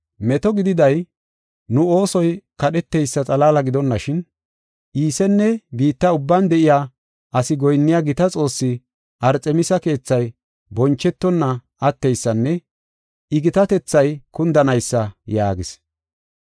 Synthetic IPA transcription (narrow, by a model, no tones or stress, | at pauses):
mɛt̪ɔɡɪd̪ɪd̪ɐj | nʊo̞ːsɔjkɐɗɛt̪ːɛjsːɐt͡sʼɐlaːlɐɡɪd̪ɔnːɐʃɪn | ʔiːsɛnːɛbiːt̪ːɐʊbːand̪ɛʔɪjaː | ʔɐsɪɡɔjnːɪjaɡɪt̪ɐt͡sʼo̞ːsːɪ | ʔɐɾt͡sʼɛmɪsɐke̞ːt͡sːɐj | bɔnt͡ʃːɛt̪ːɔnːɐ | ɐt̪ːɛjsːɐnːɛ | ɪɡɪt̪ɐt̪ɛt͡sːɐjkʊnd̪ɐnɐjsːɐjaːɡɪs